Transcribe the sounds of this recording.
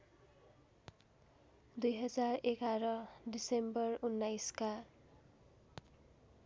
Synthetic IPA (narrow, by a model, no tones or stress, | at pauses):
d̪ujɦʌd͡zarekaɾʌɖisembʌrunːajska